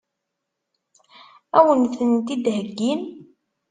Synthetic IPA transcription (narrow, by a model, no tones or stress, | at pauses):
æwənθənt̪id̪ɦəɡːin